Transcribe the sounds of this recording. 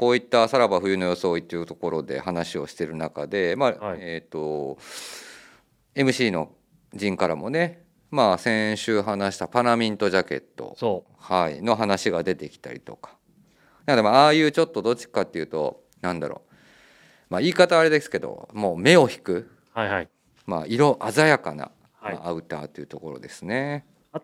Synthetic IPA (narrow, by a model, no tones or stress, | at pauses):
ko̞ːit̪ːasaɾabaɸɯ̟jɯ̟no̞jo̞so̞ːit̪ːejɯ̟t̪o̞ko̞ɾo̞d̪ḛhanaɕio̞ɕi̥t̪e̞ɾɯ̟naka̰d̪e̞maet̪ːo̞ | e̞mɯ̟ɕiːno̞̰ | d͡ʑĩŋkaɾa̰mo̞ne̞ | maːsẽ̞ɕɨːɦanaɕi̥t̪apaɾamʲĩnt̪o̞ʑake̞̰t̪ːo̞̰ | haḭno̞ɦanaɕiɡad̪e̞t̪e̞kʲi̥t̪a̰ɾʲḭt̪o̞kḁ | nakad̪emaaːjɯ̟ːt͡ɕo̞t̪ːo̞d̪o̞t͡ɕi̥kat̪ːe̞jɯ̟ːt̪o̞̰ | nãnd̪a̰ɾo̰ː | maːiːkat̪aːɾed̪esɨ̥ke̞d̪o̞̰mo̞ːme̞o̞çi̥kɯ̟ | haai | ma̰ːiɾoʔazajakana̰ | aɯ̟t̪a̰ːt̪ːe̞iɯ̟t̪oko̞ɾo̞̰d̪e̞sɨne̞